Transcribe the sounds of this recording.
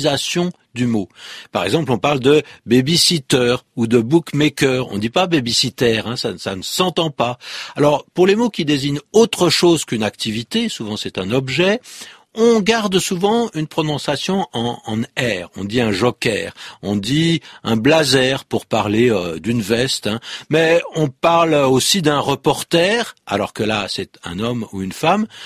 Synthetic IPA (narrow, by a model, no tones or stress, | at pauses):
zasjɔ̃ | d̪ymopaʁɛ̰ɡzɑ̃plɔ̃paʁld̪əbebisit̪œʁud̪əbukmekʲœːʁɔ̰̃d̪ipabebisit̪ɛʁɛ̃sasa̰nəsɑ̃t̪ɑ̃paalɔʁpuʁlemokʲid̪eziɲot̪χəʃozkynak̚t̪ivit̪esuvɑ̃sɛt̪ɛ̃nɔbʒɛ | ɔ̃ɡaʁd̪suvɑ̃ynpχɔnɔ̃sasjɔ̃ɑ̃ɑ̃nɛːʁɔ̰̃d̪iɛ̃ʒɔkʲɛːʁɔ̃d̪iɛ̃blazɛʁpuʁpaʁleød̪ynvɛst̪ɛ̃mɛɔ̃paʁlosid̪ɛ̃ʁəpɔʁt̪ɛːʁa̰lɔʁkəla̰sɛt̪ɛ̰̃nɔmṵynfam